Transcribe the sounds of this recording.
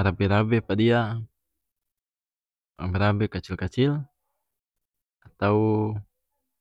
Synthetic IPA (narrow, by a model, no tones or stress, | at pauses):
aɾabɛɾabɛpadia | a̰bɛɾabɛkat͡ʃilkat͡ʃil | at̪au